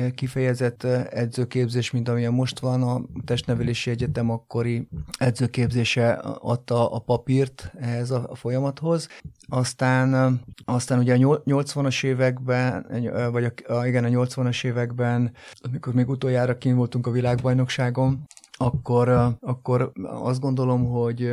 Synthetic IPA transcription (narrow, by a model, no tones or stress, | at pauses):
kifɛjɛzɛt̪ːɛd̪zøːkeːbzeːʃmint̪ɒmiɛmːo̞ʃt̪ʋɒnɒt̪ɛʃt̪nɛvɛleːʃiɛɟɛt̪ɛmɒkːo̞ɾiɛd̪zøːkeːbzeːʃɛɒ̰t̪ːɒʔːpɒpirt̪ɛɦɛzɒfo̞jɒmɒt̪ho̞zɒst̪aːnɒst̪aːnuɟɛɒɲoɲo̞lt̪sʋɒnɒʃeːvɛɡbɛ | vɒɟɒkiɡɛnɒɲo̞lt̪sʋɒnɒʃeːvɛɡbɛnɒmiko̞rmeːɡut̪o̞jaːɾɒkinvolt̪uŋkɒvilaːɡbɒjno̞kʃaːɡo̞mɒkːo̞ɾɒkːo̞ɾɒ̰zd̪̚ɡo̞nd̪o̞lo̞mɦo̞ɟ